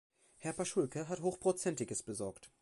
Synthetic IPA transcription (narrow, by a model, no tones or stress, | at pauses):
hɛɐpaʃʊlkəɦathoːxpʁ̥ot͡sɛntɪɡəsb̥əzɔɐkt